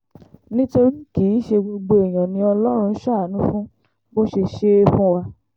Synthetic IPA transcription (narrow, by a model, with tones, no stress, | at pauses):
nĩ˦to˧ɾi˦ki˨˦ʃe˧ɡ͡bo˧ɡ͡bo˧e˨j̃ã˨nĩ˧ɔ˧lɔ˦ɾ̃ũ˧n̩˦ʃa˦˨nũ˦fũ˦ | bo˦ʃe˧ʃe˦˧fũ˧wa˧